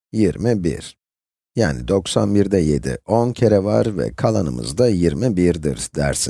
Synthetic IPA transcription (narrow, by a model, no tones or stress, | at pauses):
jiɾmibḭɾ̥ | jaːnid̪o̞ksanbiɾd̪ɛje̞d̪ioncʰe̞ɾɛvaɾvɛ̰kʰalˠanɯ̰mɯ̰zd̪ajiɾmibiɾd̪ḭɾd̪æ̰ɾsi